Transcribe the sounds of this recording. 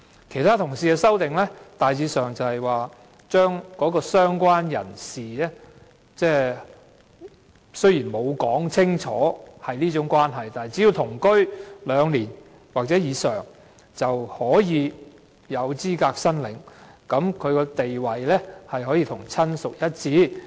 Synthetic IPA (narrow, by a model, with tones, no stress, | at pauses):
kʰe˨˩jt̪ʰaː˥t̪ʰʊ˨˩ŋsiː˨kɛ˧sɐ˥wt̪ɪ˨ŋlɛ˥t̪aː˨jt͡siː˨˧sœː˨˩ŋt͡sɐ˨whɐ˨jwaː˨ | t͡ʃœː˥ŋkɔː˨˥kɔː˧sœː˥ŋkʷaː˥njɐ̰˨˩nsiː˨ɛː˥ | t͡sɛː˥ | sɵ˥ɥjiː˨˩nmo˨˧wkɔː˨˥ŋt͡sʰɪ˥ŋt͡ʃʰɔ̰ː˨˥hɐ˨jniː˥t͡sʊ˨˥ŋkʷaː˥nɦɐ˨jt̪aː˨nɦjt͡si˨˥i˧wt̪ʰʊ˨˩ŋkɵ˥ɥlœː˨˧ŋliː˨˩n | waː˨k̚t͡sɛː˨˥jiː˨˧sœː˨˩ŋ | t͡sɐ˨whɔː˨˥jiː˨˧ | jɐ˨˧wt͡siː˥kaː˧k̚sɐ˥nlɪ̰˨ŋkɐ˨˧˥mkʰɵ˨˧ɥkɔː˧t̪e˨jwɐ˨jlɛ˥hɐ˨jhɔː˨˥jiː˧t̪ʰʊ˨˩ŋt͡sʰɐ˥nsʊ˨k̚jɐ˥t̚t͡siː˨˥